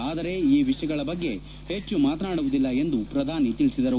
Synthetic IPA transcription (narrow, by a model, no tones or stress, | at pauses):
aːd̪ɐɾe̞iːʋiʂjɐɡɐɭɐbɐɡːe̞ | he̞t͡ʃːumaːt̪ɐnaːɽuʋud̪ilːɐe̞nd̪upɾɐd̪ʱaːnit̪ilisid̪ɐɾu